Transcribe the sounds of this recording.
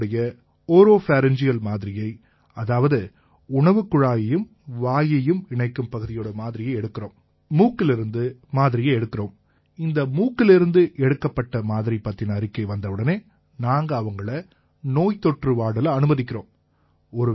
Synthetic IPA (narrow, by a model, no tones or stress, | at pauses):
ɽɐjɐ | oːɾoːfaːɾɛnd͡ʒɪjɐlmaːðɪɾɪjɐɪ | ɐðaːʋɐðɯ | ʊɳɐʋɯkːɯɻaːjɐjɯm | ʋaːjɐjɯmɪɳɐɪkːɯmpɐɣɯðɪjoːɽɐmaːðɪɾɪjɐɪɛɽɯkːɪroːm | muːkːɪlɪɾɯnd̪ɯmaːðɪɾɪjɐɪɛɽɯkːɪɾoːm | ɪnd̪ɐmuːkːɪlɪɾɯnd̪ɯʔɛɽɯkːɐpːɐʈːɐmaːðɪɾipːɐt̪ːɪnɐɾɪkːɐɪʋɐnd̪ɐʋɯɽɐneː | naːŋɡɐːʋɐŋɡɐɭɐ | noːjt̪ɔʈrɯʋaːɽɐlɐɐnɯmɐðɪk̬ʲːɪɾo̰ːm | ɔɾɯ